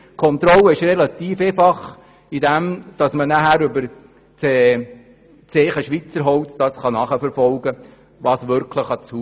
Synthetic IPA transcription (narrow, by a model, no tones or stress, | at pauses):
kʰɔnt̪ɾɔlːəɪʃrelɑt̪iːfeːfɑχ | idæmd̥ɑsmənæɦæɾʏbəɾ | t͡se | t͡seːχəʃʋit͡səɾɦɔwt͡sd̥ɑsχɑnɑχəfɛɾfɔlɡ̥ə | ʋɑːsʋʏɾkʰləχɑt͡su